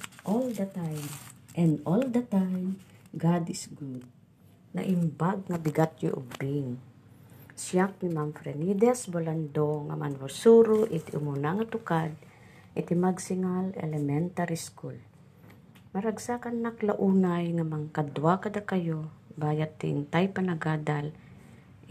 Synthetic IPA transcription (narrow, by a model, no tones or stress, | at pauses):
ʔold̪ɐt̪ajmʔɛ̃nold̪ɐt̪ajmɡad̪ɪsɡud̪̚ | na̰ʔɪmbaɡ̚ŋabɪɡat̪jo̰ʔʊ̰bɪŋ | sjak̚nimamfɾɛnid̪ɛsboland̪oŋa̰ma̰nɾʊsuːɾoʔɪt̪ʔʊmʊnaŋat̪ʊkad̪̚ | ʔɪt̪ɪmaɡsɪŋalɛ̰lɛmɛnt̪aɾiskul | mɐɾaɡsakanːaklaʔuːnajŋamaŋkad̪wakɐd̪akajobaːjat̪ːɪ̰nt̪ajpanaɡaːd̪al